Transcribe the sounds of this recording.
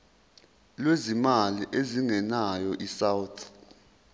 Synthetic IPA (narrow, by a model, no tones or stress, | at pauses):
lwezimaliʔeziŋɛnajɔʔisawtʰ